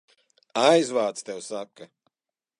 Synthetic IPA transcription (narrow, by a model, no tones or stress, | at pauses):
ajzvaːt̪st̪ewsakːa